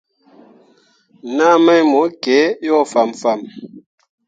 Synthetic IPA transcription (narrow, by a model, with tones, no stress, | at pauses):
na˦mɛ˦jmo˨˦ke˨˦jɔ˦˨fa˨mfa˨m